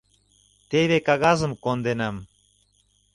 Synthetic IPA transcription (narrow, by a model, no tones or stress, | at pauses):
t̪eβekɑɣɑzə̆mkond̪enɑm